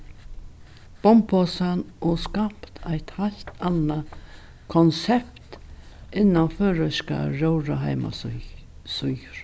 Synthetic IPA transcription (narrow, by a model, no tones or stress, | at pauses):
b̥ɔmpʰɔːsanʔɔskapt̪ʰajt̪haɬt̪ana | kʰɔnsɛpt̪ | ɪnːaføːɾəʃka̰ɾowɾaɦaɪma̰ | sɔɾ